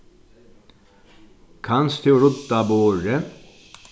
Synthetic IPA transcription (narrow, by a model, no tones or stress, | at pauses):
kʰanst̪ʰɪɾʊt̪ːaboːɾə